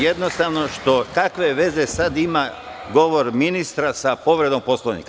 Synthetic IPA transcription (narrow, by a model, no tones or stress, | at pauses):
jed̪nost̪aʋno̞ʃt̪o̞kakʋe̞ʋe̞ze̞sad̪ima | ɡo̞ʋoɾminist̪ɾasapo̞ʋɾe̞d̪omposlˠonḭka